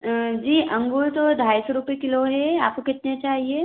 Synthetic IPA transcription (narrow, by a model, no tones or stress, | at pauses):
d͡ʒiːʔɐ̃ŋɡult̪od̪ʱaːjsoɾupekɪloɦɛa̰ːp̚kokɪt̪net͡ʃaːɦie